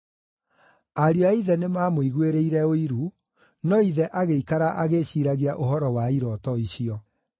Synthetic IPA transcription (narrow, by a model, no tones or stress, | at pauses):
aɾjɔaiðɛnemaːmoiɣweɾeiɾɛoiɾu | nɔiðɛʔaɣeikaɾaʔaɣeɕiːɾaɣiaʔoɦɔɾɔwaiɾɔtɔiɕiɔ